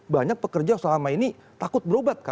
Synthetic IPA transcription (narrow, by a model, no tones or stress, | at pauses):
baɲak̚pəkərd͡ʒasəlamainit̪akʊt̪̚bəɾobat̪̚ka